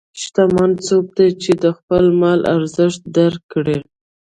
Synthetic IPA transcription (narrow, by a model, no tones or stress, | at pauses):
ʃt̪amansub̚d̪at͡ʃed̪əxpəlmɑlʔa̰ɾzəʃt̪̚d̪aɾkːɽe